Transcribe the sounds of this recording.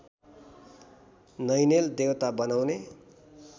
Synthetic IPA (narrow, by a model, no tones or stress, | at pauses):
nʌjneld̪ewt̪abʌnawne